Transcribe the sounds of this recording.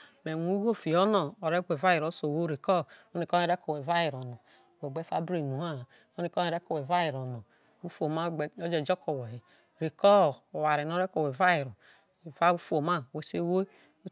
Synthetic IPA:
me˨nu˨˦ɡo˦fi˨o˦no˨o˨ɾe˦ɡʷe˨va˦ji˨ɾo˨˦so˨wo˦ɾe˨kɔ˦o˦i˨kɔ˦e˨ɾe˦ko˨we˨va˦ji˨ɾo˨nɔ˨ | we˨ɡ͡be˦sa̰˦bɾe˨nu˨ha˦˨ | o˦ni˨ko˦e˨ɾe˦ko˨we˨va˦ji˨ɾo˨nɔ˨ | wu˦fo˨ma˦˨o˦d͡ʒe˨d͡ʒo˦ko˨we˨he˨ | ɾe˨kɔ˦˨o˨wa˨ɾe˨n˦o˦ɾe˦ko˨we˨va˦ji˨ɾo˨ | va˦u˦fu˦o˨ma˦˨we˨˦se˦wo˦

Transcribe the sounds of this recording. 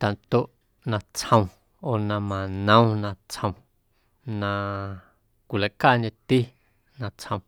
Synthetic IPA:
t̪a˨nt̪o˦ʔ | nã˧t͡shə̃˧w̃ | o˧˨nã˧mã˨nə̃˦w̃nã˧t͡shə̃˧w̃ | nã˧ | kʷi˨la˨ʔka˦˨ɲẽ˧t̪i˦ | nã˧t͡shə̃˧˨

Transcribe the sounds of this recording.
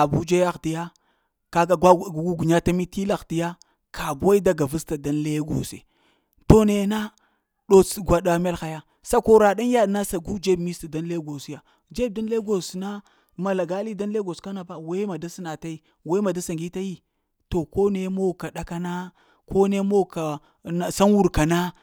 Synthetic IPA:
a˨bu˦d͡ʒe˦ja˦xti˦ja˦ | ka˨a˨ɡa˦˨ɡu˦ɡu˨ɲa˦ta˦mi˦ti˦la˨xti˦ja˦ | kʰa˨ba˦i˦da˦ɡa˨vu˦sta˨da˦nle˦ɡo̰˨sḛ˨ | to˦ne˨na˦ | ɗo˨t͡sɡʷa˨ɗa˦me˦lxa˨ja˦ | sa˦ko˦ɾa˨da˦nja˦dna˦sa˨ɡu˦d͡ʒe˦bmi˦sti˨da˦n˦le˦ɡo˨sja˨ | d͡ʒe˦b̚da˦n˦le˦ɡo˨sna˦ | ma˨la˨ɡa˦li˦da˦nle˦ɡo˨ska˦na˨ba˦we˦ma˨da˦si˦na˨ta˦i˦ | we˦ma˨da˦sa˨ŋɡi˦ta˦ji˦ | to˨ko˦ne˦mo˦˨ka˨ɗa˦ka˦na˦ | ko˦ne˦mo˦ka˨ | na˨sa˦nwu˦ɾka˨na˦

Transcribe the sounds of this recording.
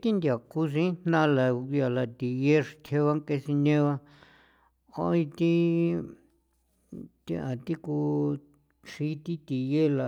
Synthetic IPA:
t̪i˦nd̪ja˨ku˧s̬ĩ˦n̥nã˦˧la˨˧ja˧la˧˨t̪i˨je˦ʂt̪ʰe˧βa˦ŋke˧si˧ɲẽ˦˧βa˧ | o̰˧˦ĩ˧t̪i˦ | t̪i˦˧ʔã˨t̪i˦ku˧ | ʂi˧˦t̪i˦t̪i˨je˦la˨

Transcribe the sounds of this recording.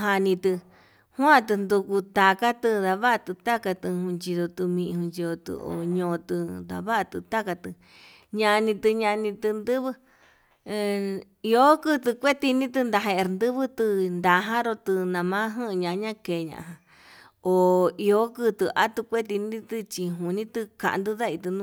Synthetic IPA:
ɦa˧nĩ˧t̪ɨ˧ | hw̃ã˦˧t̪ɨ˧nd̪u˧ku˧t̪a˧ka˦t̪ɨ˧ða˧βa˦ʔt̪ɨ˧t̪a˦ka˧t̪ɨ˧hũ˧nt͡ʃi˧ðo˧t̪u˧mĩ˧ʔhũ˧nt͡ʃi˧ðo˧t̪ɨ̰˧o̰˨ɲõː˧t̪ɨ˧d̪a̰˧˨βa˦a˧t̪ɨ˧t̪a˦ka˧t̪ɨ˧ | ɲã˧nĩ˧t̪ɨ˧ɲã˧nĩ˧t̪ɨ˧nd̪ɨ˦βɨ˦˧ | i˧o˦kɨ˦t̪ɨ˧kʷe˦t̪i˧nĩ˦t̪̬ɨ˧nd̪a˧ɦe˧e˧ɾnd̪ɨ˦βɨ˦t̪ɨ˧nd̪a˨˧ɦã˦ɾo˧t̪ɨ˧nã˧mã˦ɦɨ̃˦˧ɲã˧ʔɲã˦ke˨˧ɲã̰˧ʔɦã˧ | o˨i˧o˦kɨ˦t̪ɨ˧ʔa˦t̪u˧kʷe˦t̪̬i˧nĩ˦t̪ɨ˧t͡ʃi˧ɦu˨nĩ˦t̪ɨ˧kã̰˧ʔ̪d̪u˦ða˦i˧t̪ɨ˧nũ˦

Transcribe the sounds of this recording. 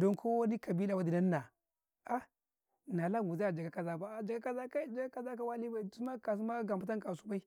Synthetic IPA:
do˦ŋkʰo˦wa˦ni˦ka˨bi˦la˨wa˦di˨na˦nːa˨ | a˦˨ | na˨la˦ɡu˨za˦˨d͡ʒa˨ɡa˦ka˨za˦ba˨a˨d͡ʒa˨ɡa˦ka˨za˦ka˦i˦˨d͡ʒa˨ɡa˦ka˨za˦ka˦wa˦li˦ba˨i˨su˦ma˦ka˨s̬u˦ma˦ɡa˨m˨a˦ta˦ŋka˨su˦ba˦i˦

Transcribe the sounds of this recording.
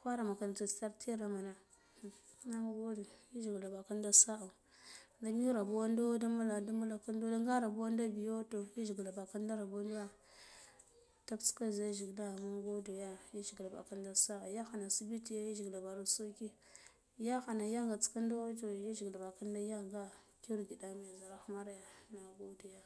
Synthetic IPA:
kʷa˦ɾa˨ma˨ka˨n˨ta˨si̥˦ta˦ɾtʰe˦ɾa˨ma˨na˨ | na˦m˦˨ɡo˦du˨ji˦ʒi˨ɡla˨ba˨ka˦n˦da˦sa˦a˨nda˨mi˦ɾa˨bu˦wa˦ndo˦da˦mu˦la˨da˦mu˦la˨ka˦ndo˦da˦ŋɡa˦ɾa˨bu˦wa˦nda˦bi˨jo˦to˨ji˦ʒi˨ɡla˨ba˨ka˦n˦da˦ɾa˨bo˦ndu˦a˦ | ta˦kt͡si̥˦ka˦˨za˦ʒi˨ɡla˦˨ma˦ɡo˦do˨ja˦ji˦ʒi˨ɡla˨ba̰˨ka˦n˦da˦sa˦a˨ja˦xa˨na˨si˦bi˦ti˨ja˦ji˦ʒi˨ɡla˨ba˨ɾa˨˦so˦ki˦ | ja˦xa˨na˨ja˦ŋɡa˨t͡si̥˦ka˦n˦da˦wto˨ji˦ʒi˨ɡla˨ba˨ka˦n˦da˦ja˦ŋɡa˦ | ki˦ɾɡi˨da˦ma˨ja˨za˨ɾa˦xma˦ɾja˨na˨ɡo˦do˨ja˦

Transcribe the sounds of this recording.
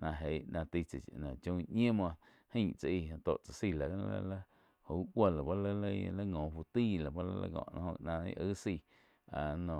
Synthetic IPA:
nã˧ɦe˨˦ʔnã˧t̪i˦˧t͡sa˨t͡ʃnã˨t͡ʃõ˧˦˧ɲẽ˦mã˧ʔ | hĩ˦t͡sa˨ʔi˧˨ã˧t̪o̰˨ʔt͡sa˨si˧˨lã˨˦˧la̰˦la˦ | ho˨u˦kʷa˧˨la˨ba˦lə˦lə˦˧la˦ŋõː˨fu˧t̪i˦˨la˨ba˦la̰˦la̰˧˦ŋɔ̰̃˧˨ʔnã̰˧hõ˧nã˧ḭ˦ʔə˦si˧˨ | a˨nõ˨

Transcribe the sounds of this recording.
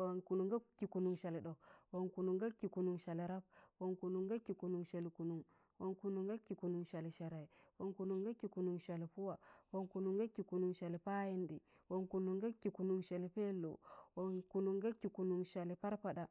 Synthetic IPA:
wa˨nku˨nu˨ŋɡa˦kːi˨ku˨nu˨ŋʃa˨li˨ɗo˨wo˨ŋku˨nu˨ŋɡa˦kːi˨ku˨nu˨ŋʃa˨li˨ɾa˦b̚wo˨ŋku˨nu˨ŋɡa˦kːi˨ku˨nu˨ŋʃa˨li˨ku˨nu˨ŋ | wo˨˦ŋku˦nu˨ŋɡa˦kːi˨ku˨nu˨ŋʃa˨li˨ʃa˨ɾa˨i˨wo˨ŋku˨nu˨ŋɡa˦kːi˨ku˨nu˨ŋʃa˨li˨pu˦wa˨wo˨ŋku˨nu˨ŋɡa˦kːi˨ku˨nu˨ŋʃa˨li˨pa˦ji˦ndḭ˨ | wo˨ŋku˨nu˨ŋɡa˦kːi˨ku˨nu˨ŋʃa˨li˨pe˦lo̰˨wo˨ŋku˨nu˨ŋɡa˦kːi˨ku˨nu˨ŋʃa˨li˨pa˦ɾpa˨da˨

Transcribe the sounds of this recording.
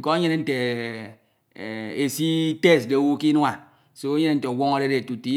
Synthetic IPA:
kɔ˦e˦ɲe˦ne˦n̩˦te˨ | e˨si˦te˦sde˨wu˦ki˦n˦a˨ | so˦e˦ɲe˦ne˦n̩˦te˨o˨wo˦ŋo˦ɾe˦ɾe˨tu˨ti˦

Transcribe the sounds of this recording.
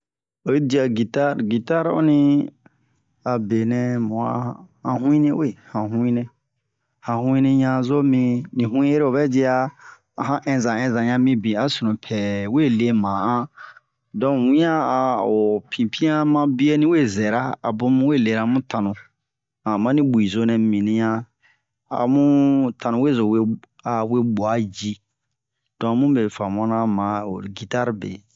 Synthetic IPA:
o˨˦di˨˧a˨ɡi˨ta˦ɾɡi˨ta˦ɾo̰˦nĩ˧ | a˨be˨nɛ̃˨mũ˨a̰˨hã˨ɦũ˦ĩ˦nɛ̃˦we˦˨hã˨hũ˦ĩ˦nɛ̃˧ | hã˨hũ˦ĩ˦nĩ˧ɲã˧˨zo˦mĩ˧nĩ˨ɦũ˦ĩ˦je˦ɾe˦o˨bɛ˦d͡ʒi˦a˧ | a˨ɦã˦ʔɛ̃˧zã˨ɛ̃˧zã˨ɲã˧mĩ˧bĩ˨a˨sũ˨nũ˨pʰɛ˨we˦˨le˧˦mã˨ã˦ | dɔ̃˦wĩ˦ã˦a˨o˨pʰĩ˨pʰĩ˦ã˦mã˦bi˦e˦nĩ˦we˦˨zɛ˨ɾa˦a̰˨bõ˦mũ˦we˦˨le˨ɾa˨mũ˦tã˨nũ˨ | ã˨mã˦nĩ˦bu˨i˨zo˧nɛ̃˨mĩ˨nĩ˨˦jã˧ | a̰˨mũ˦tʰã˨nũ˨we˦zo˨we˦ | a˨we˦ɓu˨a˦d͡ʒi˦ | d̥ɔ̃˨mũ˦be˨fã˨mɔ̃˦nã˦mã˨o̰˨ɾɡi˨ta˦ɾbḛ˨

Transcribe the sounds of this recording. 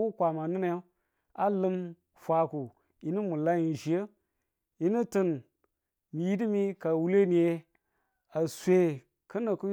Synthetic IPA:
u˦kʷa˨ma˨nɨ˦ne˨˦ | a˦lɨ˦m | fʷa˨ku˨ | ji˦ni˦mu˨la˦ji˨ʒi˨jə˦ | ji˦ni˦tɨ˦n | mi˨ji˦di˦mi˦ka˨wu˦le˦ni˨je˦ | a˨sʷe˨ | kə˦nə˨ku˦

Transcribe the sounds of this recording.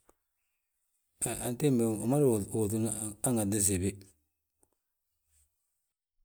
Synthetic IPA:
a˨n˨te˦m˨ma˦ɾo˨tu˨n˦a˦ŋa˨dɪ˦ze˨bɪ˦

